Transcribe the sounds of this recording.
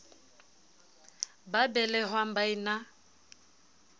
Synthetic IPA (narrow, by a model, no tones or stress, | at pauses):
babɛlɛɦwam̩baina